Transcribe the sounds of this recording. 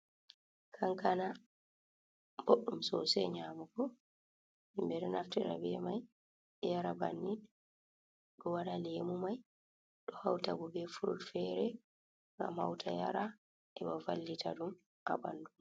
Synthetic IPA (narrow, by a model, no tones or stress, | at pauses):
kʰaŋkana | boɗːumsɔsɛɲamukɔ | imbɛɾɛnaftɛɾa̰bɛmaj | ɛjaɾaba̰nːi | ɗɔwaɗalemumaj | ɗɔhawtabɔbɛfuɾṵlfɛɾɛ | ŋɡa̰mhawtʰaja̰ɾa | ʔɛbavalːitʰaɗum | a̰ba̰ndum